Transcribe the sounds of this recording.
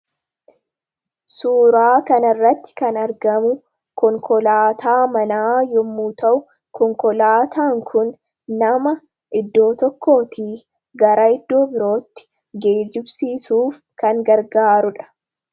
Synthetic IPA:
suːɾaːkɐnɐrːɐt̪ːɪ̥kɐnɐɾɡɐmʊ | kɔŋkɔlaːt̪ʰaːmɐnaːjɔmːuːt̪ɐʔʊ | kɔŋkɔlaːt̪aːŋkʰʊnː | ɐmɐ | ʔɪd̪ːo̞ːt̪ɔkːo̞ːt̪iː | ɡɐɾɐɪd̪ːo̞ːbɪɾo̞ːt̪ːɪ̥ | ɡe̞ːd͡ʒɪbsiːsuːf | kɐŋɡɐɾɡaːɾʊᶑɐ̥

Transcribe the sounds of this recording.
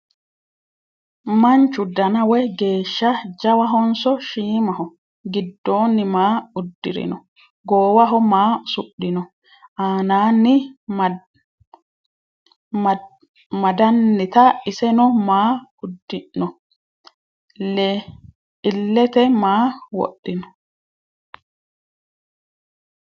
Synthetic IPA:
mɐnt͡ʃʊd̪ɐnɐwɛɡe̞ːʃːɐd͡ʒɐwɐɦɔnsɔʃiːmɐɦɔ | ɡɪd̪ːoːnːɪmaːʊd̪ːɪ̰ɾɪ̰nɔ | ɡoːwɐɦɔmaːsʊɗːɪnɔ | ʔaːnaːnːɪ | mɐd̪ɐnːɪt̪ɐɪsɛnɔmaːʊd̪ːɪʔːɔ | lɛ | ɪlːɛt̪ɛmaːwɔ̰ɗːɪnɔ

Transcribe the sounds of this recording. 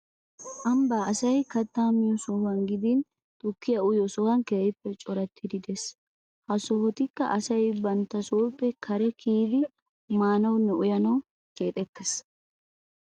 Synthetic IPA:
ʔɐmbaːɐsɐjkɐt̪ːaːmɪjɔsɔwɐnɡɪd̪in | t̪ʼʊkːɪjɐʊjɔsɔhɐnkeːɪpːɛt͡ʃʼɔɾɐt̪ʰːɪd̪ɪd̪ɛs | hɐsɔhɔt̪ɪkːɐ̰ʔɐsɐjbɐnt̪ːɐsoːpːɛkʰɐɾɛkʰiːd̪ɪ | maːnɐwnːɛʊjɐnɐw | ke̞ːt̪ʼɛkːes

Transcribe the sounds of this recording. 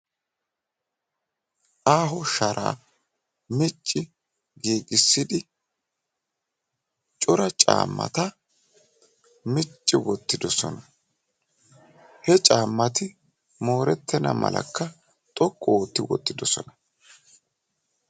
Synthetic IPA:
ʔaːɦɔʃɐɾʔa̰ː | mɪt͡ʃʼːɪ | ɡeːɡʼɪsːɪd̪ɪ | t͡ʃʼɔɾɐt͡ʃʼa̰ːmːɐ̰t̪ɐ | mɪt͡ʃʼːɪwɔt̪ːɪd̪ɔsɔ̰nɐ | hɛt͡ʃʼaːmːɐt̪ɪ | mo̞ːɾɛt̪ːɛnɐ̰mɐ̰lɐ̰kːɐ | t̪ʼɔkʼːɔoːt̪ːɪwɔ̰t̪ːɪd̪ɔsɔ̰nɐ

